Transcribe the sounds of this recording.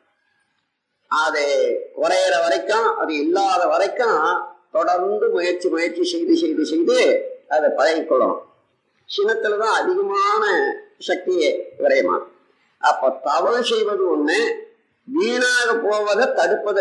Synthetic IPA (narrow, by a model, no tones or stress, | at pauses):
ɐðekʊɾɐjɾɐʋɐɾɐɪkːãʔɐðɯɪlːaːðɐʋɐɾɐɪkːãːt̪ɔɽɐɾnd̪ɯmʊjɐɾt͡ʃimʊjɐɾt͡ʃisɛjðɯsɛjðɯsɛjðɯɐðɐpːɐɣɐjɪkːɔɭːõ̰ | sɪnɐt̪ːɯlt̪ãːɐðɪɣɐmaːnɐsɐk̚t̪ɪjɐʋɪɾɐjɯmã̰ː | ʔɐpːoːt̪ɐʋɐ̃sɛjʋɐðɯɔɳːe | ʋiːnaːɣɐpoːʋɐðɐt̪ɐɽɯpːɐðɯ